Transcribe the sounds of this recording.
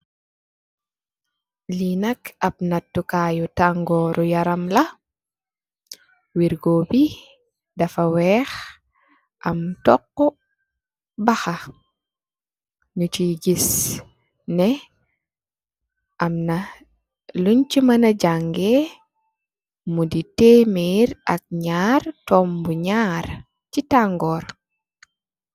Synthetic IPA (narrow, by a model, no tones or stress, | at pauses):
linɐkɐb̚natːukaːjutaŋɡɔɾʔujaɾɐmlɐ | wiɾɡobi | dɐfawɛːx | ʔɐmtɔqːɔ | baxa | nutiɡis | nɛ | ʔɐmna | luɲt͡ʃimɐnɐɟaŋɡe | muditemiɾɐk̚ɲaːɾtɔmbuɲaːɾ | citaŋɡɔːɾ